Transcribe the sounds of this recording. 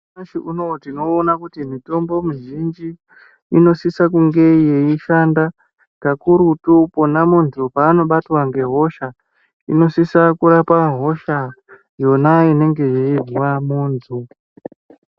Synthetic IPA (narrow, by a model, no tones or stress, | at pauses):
aʃiʔunotino̞ːnakutimito̞mbo̞muʒind͡ʒiː | no̞sisakuŋɡe̞jeiʃanda | kakuɾutuponamunzupaːno̞ɓatwaŋɡe̞ɦo̞ʃa | ino̞sisakuɾapaɦo̞ʃa | jo̞naine̞ŋɡe̞je̞ivuwamuːnzu